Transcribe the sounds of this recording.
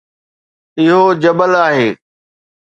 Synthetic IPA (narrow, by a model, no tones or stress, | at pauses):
ɪɦod͡ʑɐbəlaːɦeː